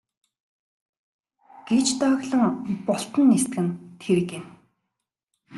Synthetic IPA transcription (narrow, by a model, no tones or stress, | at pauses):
ɡ̥et͡ɕt̪œːɣɮə̆ŋpɔɬt̪ə̆nːest̪̚ɡɘ̆nt̪ʰeɾɘ̆kɪ̆m